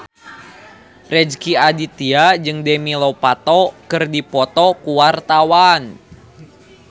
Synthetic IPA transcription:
rɛd͡ʒkiadit̪iad͡ʒɨŋdɛmilɔpat̪ɔkɨrdipɔt̪ɔkuwart̪awan

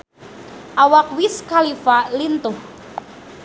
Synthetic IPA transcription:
ʔawak̚wiskalifalint̪ʊh

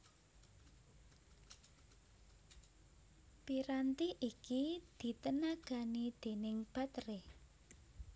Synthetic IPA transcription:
piɾant̪iʔikid̪̥i̤t̪ənaɡ̥a̤nid̪̥e̤nɪŋb̥a̤t̪ɾe

